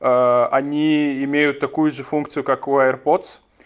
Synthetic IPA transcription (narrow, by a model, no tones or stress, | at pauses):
ɐnʲiɪmʲejʊt̪ːɐkujʊʐɨfunkt̪sɨjʊkakɛrpot̪s